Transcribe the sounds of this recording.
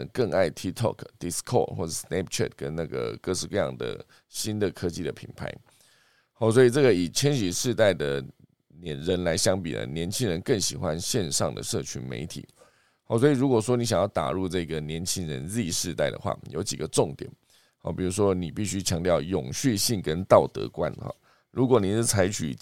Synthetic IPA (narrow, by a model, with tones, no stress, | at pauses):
kə˥˧ŋa˥˩ɪt̪ʰi˥t̪ʰɔ̰˥˨˩kʰd̪̥i˨˥skʰɔ̰˥˩xwɔ̰˥˩ʈ͡ʂsnɛ˥p̚t͡ɕʰɛ̰˥˨t̪kə˦nna˥˩ɡə̰˩kʂɻ̩˥˧kɤ˥˧jɑ̰˥˩ŋd̪ə̰˩ | ɕi˦˥nd̪ə˨kʰɤ˦t͡ɕi˥˩d̪ə˨˩pʰḭ˨˩npʰa̰˧˥ɪ | hɔ˥˩swɔ˧˥i˨˩ʈ͡ʂə˥˩ɡə˨i˨˩t͡ɕʰjɛ˥nɕi˧˥ʂɻ̩˥˧t̪a˥˩ɪd̪ə˩ | njɛ˨˩nɻə˨˦nla˧˦ɪɕjɑ˥ŋpḭ˨˩nə̰˦˩njɛ˧˦˥nt͡ɕʰi˥ŋɻə˧nkə˥˩ŋɕḭ˨˩xwa˦nɕjɛ˥˧nʂɑ̰˥˩ŋd̪ə̰˨˩ʂɤ˥˩t͡ɕʰy˧˥nmḛ˧˥ɪt̪ʰḭ˨˩˦ | hɔ˧˩swɔ˧˥i˨˩ɻu˧˥kwɔ˨˩ʂwɔ˥ni˧˥ɕja˨˩ŋjɑ˥˩ʊt̪a̰˨˩ɻu˥˧ʈ͡ʂɤ˥˩i˥ɡə˨njɛ˧˦˥nt͡ɕʰi˥nɻə˧˦nɻi˥˧i˧˥ʂɻ̩˥˧t̪a˥˩ɪd̪ə̰˩xwa̰˥˩jo̰˧˥ʊt͡ɕi˨˩ɡə˦ʈ͡ʂʊ˥˩ŋt̪jɛ̰˨˩˦n | hɔ̰˧˩pi˨˩ɻu˧˥ʂwɔ˦ni˨˩pi˥˩ɕy˥t͡ɕʰjɑ˧˥ŋt̪jɑ˥˩ʊjʊ˨˩ŋɕy˥˧ɕi˥˩ŋkə˦nt̪ɑ˥˨˩ʊt̪ɤ̰˧˥kwa̰˦nxɔ̰˥˩ | ɻu˧˥kwɔ˨˩ni˨˩ʂɻ̩˥˩t͡sʰa˧˥ɪt͡ɕʰy̰˨˩